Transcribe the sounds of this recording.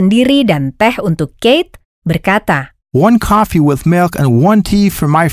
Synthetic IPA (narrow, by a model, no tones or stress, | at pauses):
əndiɾidant̪ɛhunt̪ʊkːejt̪̚ | bərkat̪a | wʌ̃nkʰɔfiwɪðmɪlˠkə̰̃nwʌ̃ntʰifə˞maj